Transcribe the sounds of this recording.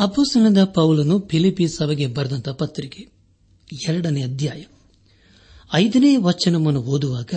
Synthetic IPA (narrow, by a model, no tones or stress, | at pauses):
ɐbusɐɳɐd̪ɐpɐwlɐnupʰilipːisɐʋɐɡe̞bɐɾɐd̪ɐnt̪ɐpɐt̪ːɾike | ɛɾɐɽɐneɐd̪ʱjaːjɐ | ɐjd̪ɐneːʋɐt͡ʃːɐnɐmɐnuɦoːd̪uʋaːɡɐ